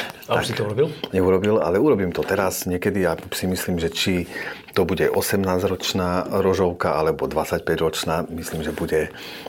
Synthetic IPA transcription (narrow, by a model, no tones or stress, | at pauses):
taasit̪ɔuɾɔbilɲɛuɾɔbila̰lɛuɾɔbiːmt̪ɔt̪ɛɾazɲɪɛkɛd̪iasimisliːmʒɛt͡ʃit̪ɔbuɟɛʔɔsɛmnaːzɾɔt͡ʃnaːɾɔʒɔʊkaʔalɛbɔd̪ʋat͡sacpɛɟɾɔt͡ʃnaːmisliːmʒɛbuɟɛ